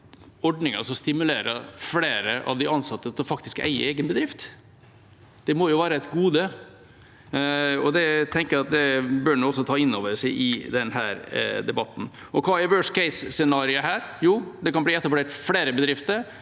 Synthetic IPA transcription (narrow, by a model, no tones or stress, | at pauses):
ɔɖnɪŋə̰sɔst̪ɪmʉleːɾə̰fleːɾəʔɑ̰ʋd̪ɪɑnsɑt̪ːət̪ʰɪlfɑkt̪ɪskæ̰ɪə̰eːɡənbəd̪ɾɪft̪ | d̪̥ɛmɔjʊʋæːɾəɛt̪ɡuːd̪ə | ɔd̪ɛt̪ʰɛŋkəjæɑt̪̚d̪ɛbøːɳuːɔsːɔt̪ʰɑːɪnːoːʋəʂæɪʔɪd̪ɛnɦæːɾd̪ɛbɑt̪ːn̩ | ɔkʰʋɑːæɾʋøːʂkɛɪsːɛnɑːɾɪəɦæːɾjuːd̪ɛkʰɑnbliːɛt̪ːɑpleːʈfɽeːɾəbəd̪ɾɪft̪əɾ